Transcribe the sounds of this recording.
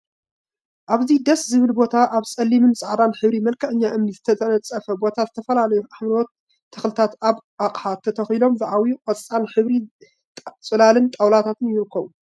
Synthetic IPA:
ʔaβzid̪ɐszɨβɨlbo̞t̪ʰaʔaβsʼɐlːimɨnsʼaʕd̪anħɨβɾimɐlkʰɐʕɨɲːaʔɨmnizɨt̪ʰɐt̪ʰɐnɐt͡sʼːɐfɐbo̞t̪ʰazɨt̪ʰɐfɐlalɐjuʔaħmɾɾot̪ʰː | ɨxlɨt̪ʰat̪aβʔaqʼħat̪ʰːɐt̪ʰɐxilo̞mzɨʕawjuqʼɐt͡sʼt͡sʼanħɨβɾi | t͡sʼɨlalɨnt̪ʼawlat̪ʰat̪ʰɨnjɪlɨkʰːɐwu

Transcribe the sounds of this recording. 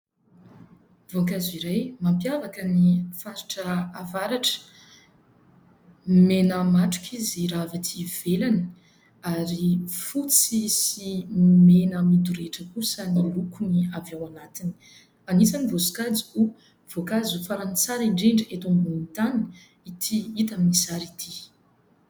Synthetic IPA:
vokaziɾajmampjavakənifaɾu̥ʈ͡ʂəavaɾaʈ͡ʂə̥ | menəmaʈ͡ʂu̥kʰiziɾavit̪ʰiv̥elanə | aɾifut͡sisimenəmid̪uɾeʈ͡ʂəkusənilukuniavewanat̪ini̥ | anisanivosu̥kad͡zi̥u | v̥okazufaɾant͡saɾiɳɖ͡ʐeɳɖ͡ʐet̪umbunint̪anin | it̪ʰiit̪aminisaɾit̪ʰi

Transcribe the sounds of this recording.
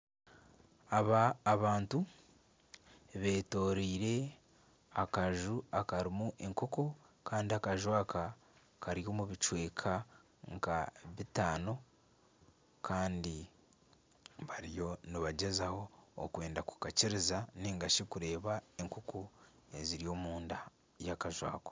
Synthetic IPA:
aβaːβaːntu | βe̞ːto̞ːɾiːɾe̞ | akaʒuakaɾimuʔe̞ŋkoko̞kaːndiakaʒwaka | kʰaɾijo̞ːmuβit͡ʃwe̞ːkʰa | ŋkaβitaːno̞ | kʰaːndi | βaɾijo̞niβaɟezaho̞̰ːkwe̞ːndaku̥kaciɾizaneːŋɡaʃikuɾe̞ːβae̞ŋkokʰo | e̞ziɾijo̞ːmuːnda | jakaʒwa̰ːko

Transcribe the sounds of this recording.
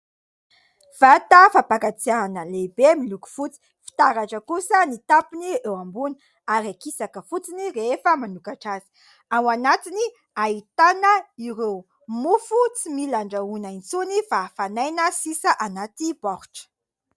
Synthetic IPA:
v̥at̪afapakat͡sianəlebemiluku̥fut͡si̥ | fi̥t̪aɾaʈ͡ʂəkusənit̪apiniewambuni | aɾiakisakəfut͡siniɾefəmanukaʈ͡ʂazi̥ | awanat̪ini | ait̪anəiɾew | mufut͡similaɳɖ͡ʐəunant͡sunifafanajnəsisəʔanat̪ibaɾu̥ʈ͡ʂə̥

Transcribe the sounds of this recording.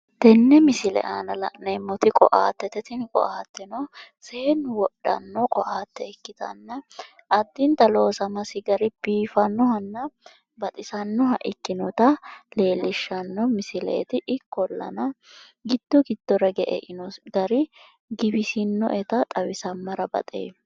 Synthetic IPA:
t̪ɛnːɛmɪsɪlɛ̰ʔanɐlɐ̰ʔnɛmːɔt̪ɪkʼɔ̰ʔaːt̪ːɛt̪ɛt̪ɪnɪkʼɔ̰ʔaːt̪ːɛnɔseːnːwɔɗːɐ̰nːɔkʼɔʔaːt̪ːɛɛkːɪt̪ɐ̰nːɐ | ʔɐd̪ːɪnt̪ɐlo̞ːsɐmɐsɪɡɐɾɪb̥iːfɐnːɔhɐnːɐ | bɐt̪ʼɪsɐnːɔɦɐʔɪkːɪnɔt̪ɐle̞ːlɪʃːɐnːɔmɪsɪlɛ̰ʔɛ̰t̪ɪʔɪkːɔlːɐ̰nɐ | ɡɪd̪̥ːɔɡɪd̪̥ːɔɾɐɡɛʔɛ̰ʔɪnɔɡɐɾɪ | ɡɪbɪsɪnːɔ̰ʔɛt̪ɐt̪ʼɐwɪsɐmːɐɾɐbɐ̰t̪ʼḛː

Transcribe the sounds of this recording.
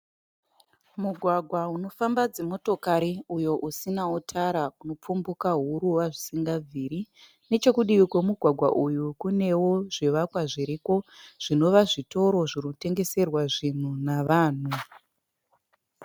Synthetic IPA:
muɡʱwaɡʱwauno̞fambad͡zemo̞to̞kaɾiujo̞ʔusinautʰaɾakuno̞p͡fumbukaɦuɾuwaʐisiŋɡab͡vʱiːɾi | ne̞t͡ʃe̞kuɗiikwomuɡʱwaɡʱwa̰ʔujukune̞woʐiʋakwaʐiɾiko̞ʐ̥ino̞ʋaʐito̞ɾo̞ʐirute̞ŋɡe̞se̞rwaʐin̤unaʋaːn̤u

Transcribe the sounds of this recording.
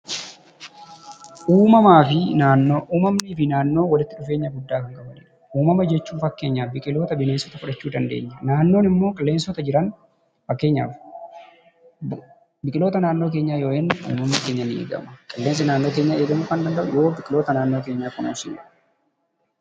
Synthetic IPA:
ʔuːmɐmaːfɪnaːnːoːʔuːmɐmniːfɪnaːnːo̞ːwɐlɪt̪ːɪᶑʊfe̞ːɲːɐɡʊd̪ːaːkɐŋkʼɐbɐnɪ̰ᶑɐ̥uːmɐmɐd͡ʒɛt͡ʃːuːfɐkːe̞ːɲːaːbɪkʼɪlo̞ːt̪ɐbɪne̞ːnsɔt̪ɐfʊᶑɐt͡ʃːuːd̪ɐnd̪eːɲːɐnaːnːo̞ːnɪmːo̞ːkʼɐlːeːnsɔt̪ɐd͡ʒɪɾɐn | fɐkːe̞ːɲːa̰ːf | bɪkʼɪlo̞ːt̪ɐnaːnːo̞ːk̬e̞ːɲːaːjoːʔɛnːɪṵːmɐmːikeːɲːɐnɪḛːɡɐ̰mɐkʼɐlːeːns̬ɛnaːnːoːkeːɲːaʔeːɡɐmʊkɐnd̪ɐnd̪ɐʔʊ̰jo̞ːbɪkʼɪloːt̪ɐnaːnːo̞ːk̬e̞ːɲːaːkʊnṵːsɪɐ

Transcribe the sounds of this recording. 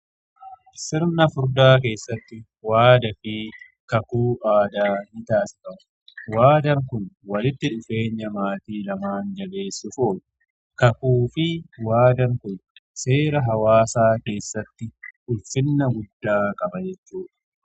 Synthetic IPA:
sɪɾnɐfʊɾd̪aːk̬e̞ːsːɐt̪ːɪ | waːd̪ɐfiː | kɐkuːʔaːd̪aːnɪt̪aːsɪ̥kɐ | waːd̪ɐŋkʊnwɐlɪt̪ːɪᶑʊfe̞ːɲːɐmaːt̪iːlɐmaːnd͡ʒɐle̞ːsːʊfoːlɐ | kɐkuːfɪwaːd̪ɐŋkʊnse̞ːɾɐɦɐwaːsaːke̞ːsːɐt̪ːɪʔʊlfɪnːɐɡʊd̪ːaːkʼɐbɐd͡ʒɛt͡ʃːuːᶑɐ̥

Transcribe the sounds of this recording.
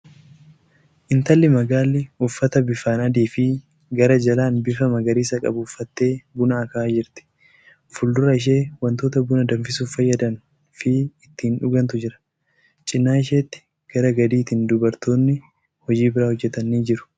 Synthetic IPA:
ʔɪnt̪ɐlːɪmɐɡaːlːɪʊfːɐt̪ɐbɪfaːnɐd̪iːfɪ | ɡɐɾɐd͡ʒɐlaːnbɪfɐmɐɡɐɾiːsɐkʼɐ̰bʊːfːɐt̪ːe̞ːbʊnɐːkaːd͡ʒɪɾt̪ɪ̥ | fʊld̪ʊɾɐɪʃ̬e̞ːwɐnt̪o̞ːt̪ɐbʊnɐd̪ɐmfɪsuːfɐjːɐd̪ɐn | fɪɪt̪ːɪɪnᶑʊɡɐnt̪ʊd͡ʒɪɾɐ̥ | t͡ʃʼɪnːaːɪʃeːt̪ːɪ̥ | ɡ̥ɐɾɐɡɐd̪iːt̪iːnd̪ʊbɐɾt̪o̞ːnːɪ | hɔd͡ʒiːbɪɾaːhɔd͡ʒːɛt̪ɐnːiːd͡ʒɪɾʊ̥

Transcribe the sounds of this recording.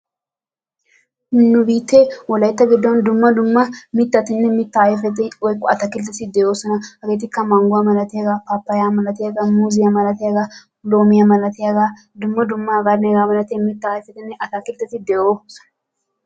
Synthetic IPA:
nːʊbiːt̪ːewɔlɐjt̪ːɐɡɪd̪ːɔnd̪ʊmːɐd̪ʊmːɐmɪt̪ːɐt̪ɪnːɛmɪt̪ːɐjfɛt̪̬ɪɔjkʼːɔɐt̪ɐkɪlt̪ːɛt̪ːɪd̪ɛjoːsɔnɐhɐɡe̞ːt̪̬ɪkːɐmɐŋɡʊwamɐlɐt̪ɪjaɡaːpapːɐjaːmɐlɐt̪ɪjaɡaːmuːzɪjamɐlɐt̪ɪjaɡaː | lo̞ːmɪjamɐlɐt̪ɪjaɡaː | d̪ʊmːɐd̪ʊmːɐɡanɛɡaːmɐlɐt̪ɪmɪt̪ːɐjfɛt̪ɪnːɛʔɐt̪ɐkɪlt̪ːɛt̪ɪd̪ɛjoːsɔ̥nɐ

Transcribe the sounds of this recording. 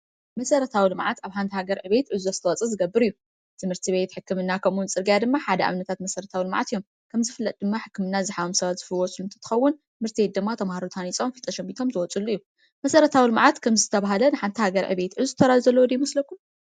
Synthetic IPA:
mɐsɐɾɐt̪ʰawilɨmʕat̪aβħant̪ʰihaɡɐɾʕɨβe̞t̪ʔɨzozɨ̥t̪ʰɐwɔt͡sʼɐzɨɡɐbːɨɾijːu | t̪ʰɨmɨɾt̪ʰiβe̞t̪ħɨkːɨmɨnːakʰɐmunt͡sʼɨɾɡjad̪ɨmːaħad̪ɐʔa̰mnɐt̪ʰat̪mɐsɐɾɐt̪ʰawilɨmʕa̰t̪jːo̞m | kʰɐmzɨfɨlːɐt̪ʼd̪ɨmːaħɨkːɨmɨnːazɨħaβomsɐβat̪z̥ɨfɨlwɔsʼlunt̪ʰɐt̪ʰɨ̥xɐwːʊnɨmɨɾt̪ʰibe̞t̪̚d̪ɨmːat̪ʰɐmahaɾut̪ʰanit͡sʼo̞mfɨlt̪ʼɐʃɛmbit̪ʰo̞mzɨwɔt͡sʼulːuijːu | mɐsɐɾɐt̪ʰawilɨmʕat̪kʰɐmzɨt̪ʰɐβaɦalɐnɨħant̪ʰihaɡɐɾʕɨ̰βe̞t̪ʔɨzuzɨt̪ʰɐɾazuzɐlːowd̪ijmɐslɐkːum

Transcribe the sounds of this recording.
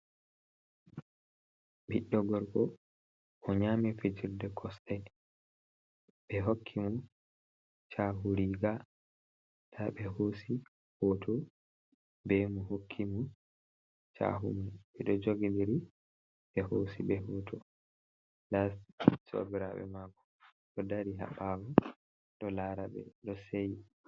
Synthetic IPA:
biɗːɔɡɔɾkɔ | ʔɔɲaːmifed͡ʒiɾdɛkʰɔstɛ | ɓɛɦokʰːimu | t͡ʃaɦuɾiɡa | taɓɛhosi | hɔtʰɔ | bɛmuhokʰːimu | t͡ʃa̰ɦṵmunɛɗɔd͡ʒoɡindiɾi | ɓɛhosiɓɛhɔtʰɔ | laso̰biɾa̰ɓɛ̰maɡɔ | ɗɔdaɾiɦa̰ɓamu | ɗɔlaɾabɛ̰ɗɔsej

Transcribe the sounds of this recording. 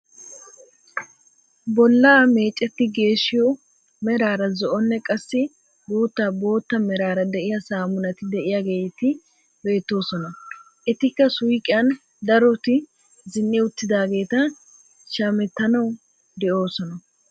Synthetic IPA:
bɔlːaːme̞ːt͡ʃʼːɛt̪ːɪɡe̞ːʃːɪjɔ | mɛɾaːɾɐzɔʔɔnːɛkʼɐsːɪ | d̪uːt̪ːabo̞ːt̪ːɐmɛɾaːɾɐd̪ɛʔɪjɐsaːmʊnɐt̪ɪd̪ɛʔɪjaɡe̞ːt̪ɪ | be̞ːt̪ːo̞ːsɔnɐ | ʔɛt̪ɪkːɐsʊjkʼɪjɐn | d̪ɐɾɔt̪ɪ | zɪnːɛʊt̪ːɪd̪aːɡe̞ːt̪ɐ | ʃaːmɛt̪ːɐnɐw | d̪ɛʔo̞ːsɔnɐ

